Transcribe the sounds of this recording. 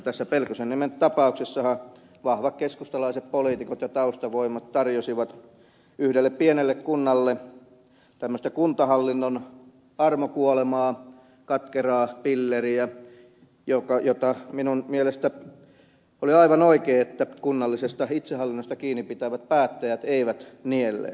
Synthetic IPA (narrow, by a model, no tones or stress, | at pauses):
t̪æsːæpelkosennimentt̪ɑpɑuksesːɑhɑ | ʋɑhʋɑkkeskust̪ɑlɑiseppoliːt̪ikot̪jɑt̪ɑust̪ɑʋoimˑɑt̪t̪ɑrjosiʋɑt̪ | yhdelːeppienelːekkunːɑlːe | t̪æmːøst̪ekunt̪ɑhɑlːinːon | ɑrmokuolemɑː | kɑt̪kerɑːpilːeriæ | jokɑjot̪ɑminunmielest̪æ | oliɑiʋɑnoikeːet̪ːækunːɑlːisest̪ɑit̪sehɑlːinːost̪ɑkiːnipit̪æʋæt̪̚pæːt̪ːæjæt̪eiʋæt̪nielːḛ